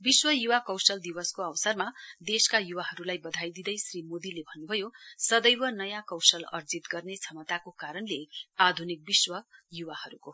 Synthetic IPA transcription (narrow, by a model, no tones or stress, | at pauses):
biswʌjuwakʌwsʌld̪iwʌskoʌwsʌrmad̪eskajuwaɦʌɾulajbʌd̪ʱajd̪id̪ʌjsrimod̪ilebʱʌnːubʱʌjosʌd̪ʌjwʌnʌjakʌwsʌlʌ̰rd͡zit̪ɡʌrnet͡sʰʌmʌt̪akokaɾʌnlead̪ʱunik̚biswʌjuwahʌɾuko